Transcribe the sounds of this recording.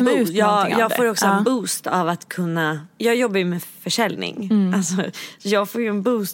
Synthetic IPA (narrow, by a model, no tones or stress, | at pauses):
jːjɑːɡfoːɾɔksɔɛnbuːst̪avat̪kʰɵnːajɑːɡjɔbːajəmeːfœʂɛlnɪ̰ŋalsɔsɔjɑːɡfoːɾjɵɛnbuːst̪